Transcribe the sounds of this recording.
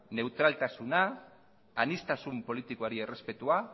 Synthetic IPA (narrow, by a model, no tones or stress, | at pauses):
ne̞wt̪ɾalt̪asunaː | nist̪asumpo̞lit̪ikoaɾie̞re̞spe̞t̪ua